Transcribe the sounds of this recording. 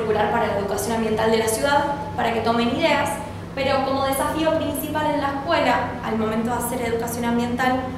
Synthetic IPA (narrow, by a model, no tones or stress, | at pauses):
kuɾaɾpaɾalaeðukasjo̞nãmbje̞nt̪ald̪e̞lasjuðað | paɾake̞t̪o̞meniðe̞as | pe̞ɾo̞ko̞mo̞ð̞e̞safio̞pɾinsipale̞nlaehkwe̞la | a̰lmo̞mẽnt̪̬o̞ðase̞ɾe̞ð̞ukasjo̞nãmbje̞nt̪al